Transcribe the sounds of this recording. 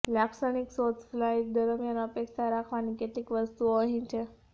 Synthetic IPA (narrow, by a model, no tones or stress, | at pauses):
laksəniksot͡sflait̪̚d̪əɾmjanəpeksaɾakʰʋaniket̪iːkʋəst̪uəɦĩnt͡ɕe